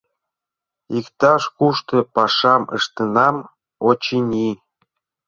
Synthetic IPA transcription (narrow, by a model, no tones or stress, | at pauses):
ikt̪ɑʃkuʃt̪ɤ̆pɑʃɑmə̰ʃt̪ənɑm | ot͡ɕinʲi